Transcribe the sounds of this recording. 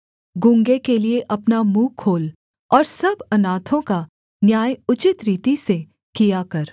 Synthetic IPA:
ɡʊ̃ŋɡekelieʔɐpnamuːkʰoːl | ɔːɾsɐbɐnaːt̪ʰõka | njaːjʊt͡ʃɪt̪ɾiːt̪ise | kijakɐɾ

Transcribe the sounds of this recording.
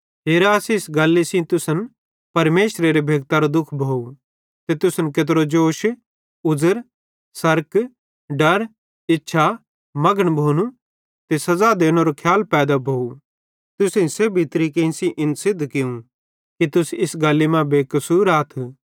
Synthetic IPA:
ɦeːɾaːsiɪsɡalːesĩt̪ʊsən | pɐɾmeːʃɾeɾebʱeːɡ̚t̪aɾod̪ʊkʰbʱoːu | t̪et̪ʊsənket̪̬ɾod͡ʒoːʃ | ʊd͡zəɾ | sɐɾk | ɖɐɾ | ɪtːʃʰa | mɐɡəɽ̃bʱoːnu | t̪esɐzad̪eːɽ̃oɾokʰjaːlpɛːd̪abʱoːu | t̪ʊsĩsebʱit̪ɾikeĩsĩʔɪnsɪd̪ʱkɪũ | kit̪ʊsɪsɡalːimãbeːkɐsuːɾaːt̪ʰu

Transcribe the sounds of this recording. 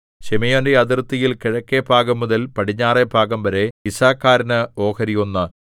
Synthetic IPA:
ɕemɐjondeɐd̪irt̪ːijilkiɻɐkːebʱaːɡɐmːuðɐlpɐʈiɲːaːrebʱaːɡɐmʋɐɾe̞isaːkːaːɾɐnɨo̞ːkɐɾijonːɐ

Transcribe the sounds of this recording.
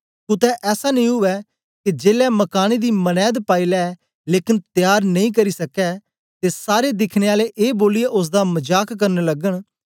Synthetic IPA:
kʊt̪ɛːʔɛːsaːnəĩːɦʊʋɛː | ked͡ʒeːlɛːməkaːned̪iːmənɛːd̪paːiːlɛ | leːkɪnt̪jaːɾnəĩːkəɾiːsəkːɛː | t̪eːsaːɾeːd̪ɪkʰneːaːleʔeːboːliɛʔʊs̬d̪aːmɐd͡ʒaːkkəɾnləɡəɽ̃

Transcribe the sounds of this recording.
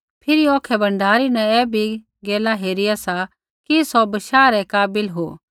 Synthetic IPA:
pʰɪɾiɔːkʰɛbɐ̃ɳɖʱaːɾinɛ̃ɛːbʱi | ɡeːlaɦeːɾɪjasa | kisɔbɐʃaːɾɛkaːbɪlɦo̰ː

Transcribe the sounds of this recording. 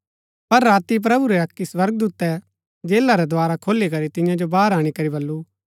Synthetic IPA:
pɐɾːaːt̪ip̬ɾɐbuɾɛɐkːiswɐɾɡ̚d̪uːt̪ːɛ | d͡ʒeːlaɾɛd̪ʊaːɾakʰoːlikɐɾit̪ɪ̃jãd͡ʒobaːɾaːɽ̃ikɐɾibɐlːu

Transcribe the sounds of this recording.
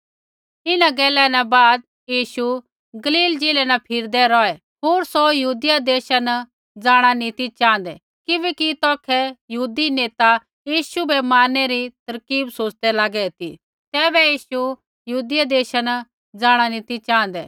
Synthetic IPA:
ɪnãɡɛːlɛnɛbaːd̪̚ | jiːʃu | ɡɐliːld͡ʒeːlɛnapʰɪɾd̪ɛɾɔɛ | ɦoːɾsojɐɦuːd̪jad̪eːʃana | d͡zaːɽ̃anit̪it͡ʃãːnd̪ɛ | kɪbɛkit̪ɔːkʰɛjɐɦuːd̪ineːt̪a | jiːʃubɛmaːnːɛɾit̪ɐɾkiːbsoːt͡ʃd̪ɛlaːɡɛt̪ḭ | t̪ɛːbɛjiːʃu | jəɦuːd̪ɪjad̪eːʃana | d͡zaːɽ̃anit̪it͡ʃãːn̆d̪ɛ̰ː

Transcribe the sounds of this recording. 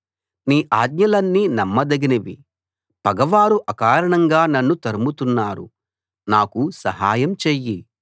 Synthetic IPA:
niːʔaːɡɲɐlɐnːinɐmːɐd̪ɐɡinɐʋḭ | pɐɡɐʋaːɾuʔɐkaːɾɐɳɐŋɡaːnɐnːut̪ɐɾumut̪unːaːɾṵ | naːkusɐɦaːjɐmt͡ʃeːji

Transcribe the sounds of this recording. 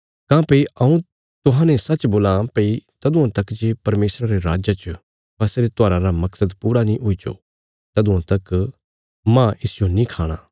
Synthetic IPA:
kãːpɐiɐũ | t̪ʊɦãːnɛ̃sɐt͡ʃboːlãpɐit̪ɐd̪ũãt̪ɐkd͡ʒeːpɐɾmeːsɾaɾeɾaːd͡ʒat͡ʃ | bɐseɾet̪aːɾãɾamɐksəd̪puːɾanĩʔʊid͡ʒo̰ | t̪ɐd̪ũãt̪ɐk | mãɪsɪjonĩkʰaːɽ̃a̰ː

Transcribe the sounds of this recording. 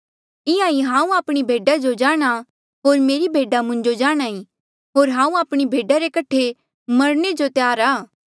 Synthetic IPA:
ɪjãiɦãːũaːpɽ̃ibʱeːɖad͡ʒod͡ʒaːɽ̃a | ɦoːɾmeːɾibʱeːɖamʊ̃ɲd͡ʒod͡ʒaːɽ̃aːi | ɦoːɾɦãːũaːpɽ̃ibʱeːɖaɾekɐʈʰːe | mɐɾɽ̃ed͡ʒot̪jaːɾaː

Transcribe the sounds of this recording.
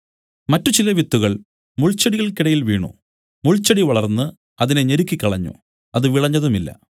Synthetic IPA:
mɐtːut͡ɕilɐʋit̪ːuɣɐɭ | muɭt͡ɕːɐɽijɐɭkiɽɐjilʋiːɳṵ | muɭt͡ɕːɐɽiʋɐɭɐrnːɨ | ɐðineɲeɾukʲːikːɐɭɐɲːṵ | ɐðɨʋiɭɐɲːɐðumilːɐ̰

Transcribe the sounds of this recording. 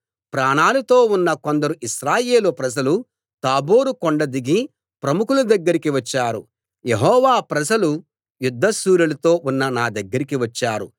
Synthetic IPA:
pɾaːɳaːlut̪o̞ːunːɐko̞nd̪ɐɾuiʃɾaːjeːlupɾɐd͡ʒɐlu | t̪aːbo̞ːɾukoɳɖɐd̪iɡi | pɾɐmukulud̪ɐɡːɐɾikiʋɐt͡ʃːaːɾṵ | jeɦɔːʋaːpɾɐd͡ʒɐlu | jud̪ʱːɐsuːɾulɐt̪o̞ːʔunːɐnaːd̪ɐɡːɐɾikiʋɐt͡ʃːaːɾṵ

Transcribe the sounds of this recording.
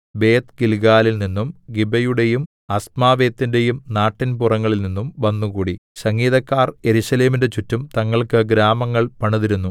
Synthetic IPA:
be̞ːt̪ɡilɡaːlilninːumɡibɐjuɽe̞jum | ɐsmaːʋe̞ːt̪ːinde̞jumnaːʈːinpurɐŋːɐɭilninːumʋɐnːuɣuːɽisɐŋɡiːðɐkːaːre̞ɾuɕɐle̞ːminde̞t͡ɕutːumt̪ɐŋːɐɭkɨɡɾaːmɐŋːɐɭpɐɳɐðiɾunːu

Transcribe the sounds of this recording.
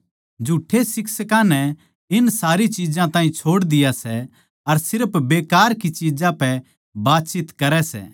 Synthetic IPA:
d͡ʒuʈʰːesɪksəkãnɛ | ɪnsaːɾit͡ʃid͡ʒãt̪ãːɦĩt͡ʃʰoːɽd̪ɪjasɛ | ɐɾsɪɾpbeːkaːɾkit͡ʃiːd͡ʒãpɛ | baːt̪t͡ʃɪt̪kɐɾɛsɛ̰ː

